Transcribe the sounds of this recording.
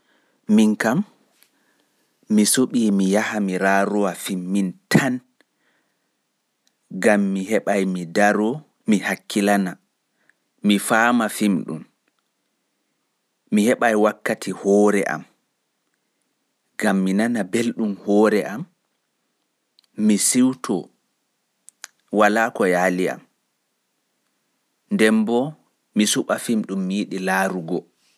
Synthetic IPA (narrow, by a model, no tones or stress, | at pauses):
miŋkam | isoɓiːmijahamiɾaːɾɔwafimːintʰan | ɡamːiɦɛɓajmidaɾɔ | mihakːilana | mifaːmafimɗṵm | mihɛɓajwakːatʰihɔːɾɛ̰ʔa̰m | ɡ̥amːinanabelɗumhɔːɾɛʔam | isiwtʰɔ̰ | walaːkɔjalia̰m | ndɛmbɔ | misuɓafimɗumːijiɗilaːɾuɡɔ